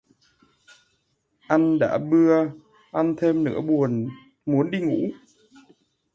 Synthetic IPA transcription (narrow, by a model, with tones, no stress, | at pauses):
ʔa˧jŋɗa̰ː˧˥ɓɨ˧ə | ʔa˧nt̪ʰe˧mnɨ̰˧˥əɓu˨˩ən | mu˨˦ənɗi˧ŋṵ˧˥